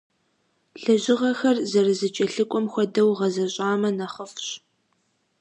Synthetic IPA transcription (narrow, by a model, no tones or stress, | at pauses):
ɬɨʑɪʁɐxɐrzɐrɨzɨt͡ʃʼɐɬɨkʷʼɔmxʷɔdɐwʁɐzɐɕʼaːmɐnɐχəfɕ